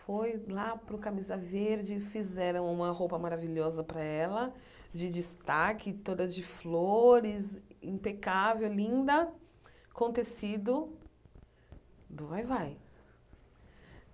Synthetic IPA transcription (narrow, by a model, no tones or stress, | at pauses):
fojlapɾʊkamizɐveɾd͡ʒɪfizɛɾɐ̃w̃ũmɐɦowpɐmaɾaviʎɔzɐpɾɐɛlɐ | d͡ʒɪd͡ʒist̪akɪt̪od̪ɐd͡ʒɪfloɾɪzĩpekavewlĩnd̪ɐ | kõnt̪esid̪ʊ | d̪ʊvajvaj